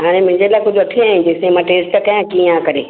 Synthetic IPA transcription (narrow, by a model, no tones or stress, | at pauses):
ɦaːɽ̃emʊ̃ɦɪ̃ɲd͡ʑelaːɪkʊd͡ʑʱʊɐʈʰiaːɦĩd͡ʑeːsẽmãːʈeːsʈəkɐjãkiãkɐɾeː